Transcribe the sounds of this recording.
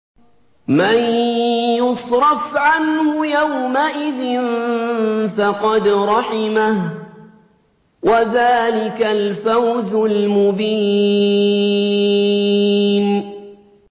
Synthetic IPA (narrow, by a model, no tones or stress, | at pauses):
manjʊsɾˤɑfʕanhʊjawmaʔɪðɪn | fɑqɑd̪ɾˤɑħɪmah | waðaːlɪkalfawzʊlmʊbiː | n